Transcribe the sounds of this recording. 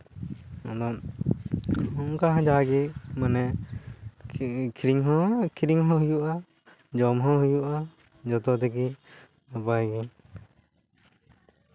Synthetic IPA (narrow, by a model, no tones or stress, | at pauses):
ɔ̃d̪ɔn | hɔkaɦãd͡ʒaɡɛmanɛ | kʰiɾiŋɦɔ̃kʰiɾiŋɦɔ̃ɦujuʔa | d͡ʒɔmɦɔ̃ɦujuʔa | d͡ʒɔt̪ɔd̪ɛki | apajɡɛ